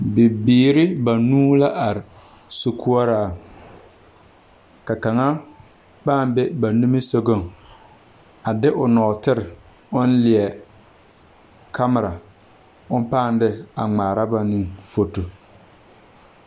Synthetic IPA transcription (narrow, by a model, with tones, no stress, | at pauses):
bɪ˨biː˨ɾɪ˦ba˨nuː˦la˦ʔa˨ɾɪ˨ | su˦ku˦ɔ˦ɾaː˦˨ | ka˨ka˨ŋa˦ | paː˦˨m˦be˦ba˨nu˦mɪ˦so˦ɡo˦˨ŋ | a˨dɪ˦ʔʊ˨nɔ˨tɪ˦ɾɪ˨ | ʊ˦n˦lɪ˨ɛ˨ | kʰa˦mɪ˨ɾa˨ | ʊ˦m˦paː˦˨n˦dɪ˦a˨ŋ͡maː˨ɾa˦ba˨ni˦ŋfo˨to˨